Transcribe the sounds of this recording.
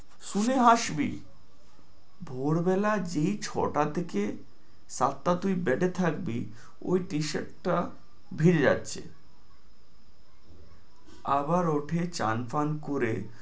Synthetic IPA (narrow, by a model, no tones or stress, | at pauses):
ʃuneɦaʃbḭ | bʱoɾbɛlad͡ʑejt͡ɕʰɔ̰ʈat̪ʰeke | sat̪ːat̪ujbɛʈet̪ʰak̚bi | o̰jʈiʃḛʈʈa | bʱiɾed͡ʑa̰tːɕʰḛ | abaɾoʈʰet͡ɕa̰nfankoɾe